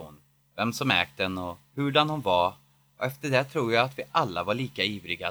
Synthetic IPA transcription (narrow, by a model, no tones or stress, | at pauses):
un | vɛmsɔmɛ̰ːk̚t̪ɛnɔhɵɖanhʊnvaɾ | ɔɛft̪əɖɛt̪ʰɾuːjaat̪vɪʔalːavaɭiːkaiːvɾɪɡa